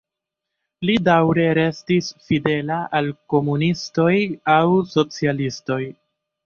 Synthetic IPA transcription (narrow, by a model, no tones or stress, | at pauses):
lidawɾe̞ɾe̞stisfide̞laʔalko̞munisto̞jawso̞t͡sialisto̞j